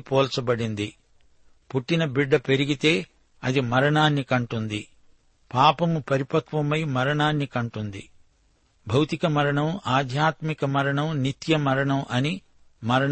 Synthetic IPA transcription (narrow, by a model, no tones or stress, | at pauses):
pɔːlt͡ʃɐbɐɽind̪i | puʈːinɐbiɖːɐpe̞ɾiɡit̪e̞ː | ɐd̪imɐɾɐɳaːnːikɐɳʈund̪i | paːpɐmupɐɾipɐkʋɐmɐjmɐɾɐɳaːnːikɐɳʈund̪ḭ | bʱɐwt̪ikɐmɐɾɐɳɐmaːd̪ʱjaːt̪mikɐmɐɾɐɳɐmnit̪jɐmɐɾɐɳɐmʔɐni | mɐɾɐɳ